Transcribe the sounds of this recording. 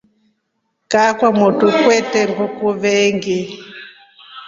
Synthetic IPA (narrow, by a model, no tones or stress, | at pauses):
kakwamutukwɛtɛŋɡukuβɛŋɡi